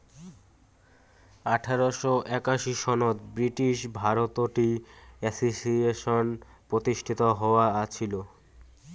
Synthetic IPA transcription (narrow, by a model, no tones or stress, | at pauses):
aʈʰaɾoʃoʔɛkaʃiʃɔnot̪bɾiʈiʃbʱaɾot̪oʈiɛsisieʃonpɾot̪iʃʈʰit̪oɦɔoaat͡ɕʰilo